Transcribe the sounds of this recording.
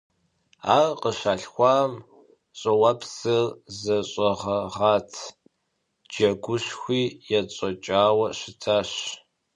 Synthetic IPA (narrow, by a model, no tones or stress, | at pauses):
aːrqəɕaːɬxʷɑːm | ɕʼɐwɐpʰsɨrzɐɕʼɐʁɐʁaːtʰ | d͡ʒɐɡʷʊɕxʷiːjɛt͡ɕʼɔt͡ʃʼaːwɐɕɪtʰaːɕ